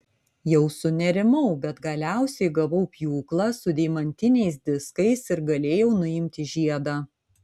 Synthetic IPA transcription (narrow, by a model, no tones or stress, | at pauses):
jɛʊsʊnʲɛɾʲɪmɐʊbʲɛt̪ɡɐlʲæˑʊsʲɛɪɡɐʋɐʊpʲjuːklˠɐsʊd̪ʲɛɪmɐnʲt̪ʲɪnʲɛɪs̬d̪ʲɪskɐɪsɪɾɡɐlʲeːjɛʊnʊɪmʲt̪ʲɪʒʲiɛd̪ɑː